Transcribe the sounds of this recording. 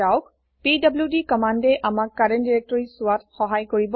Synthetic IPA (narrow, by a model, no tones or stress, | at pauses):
awk | pidabljudikɔmandɛʔamakːaɹɛndiɹɛk̚tɔɹisʊwatxɔɦajkoɹibɔ